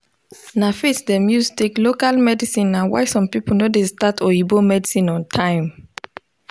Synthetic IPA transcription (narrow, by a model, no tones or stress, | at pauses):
nafitdɛmjusteklokalmɛdisĩnãnwa̰jsɔ̃mpipulnodestatʰɔibomɛdisĩnɔ̃ntʰãɪ̃m